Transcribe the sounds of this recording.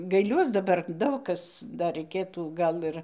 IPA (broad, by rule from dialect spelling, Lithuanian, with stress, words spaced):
ɡɐɪˈlʲuɔs dɐˈbɐr ˈdɐʊk kɐs ˈdɐr rɐɪˈkʲeːtuː ˈɡɐlˠ ɪr